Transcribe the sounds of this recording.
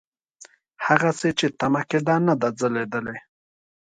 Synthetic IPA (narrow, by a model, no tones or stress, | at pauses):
haɣaset͡ʃet̪amaked̪anad̪ad͡zəled̪əle